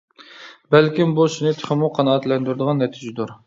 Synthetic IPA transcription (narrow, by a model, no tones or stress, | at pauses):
bælkʲimbuʃinɨt̪ʰɪ̥χɪmuqʰɑnɑt̪lɛnd̪yɾd̪əʁɑnːɛt̪ʰid͡ʒɪd̪uɾ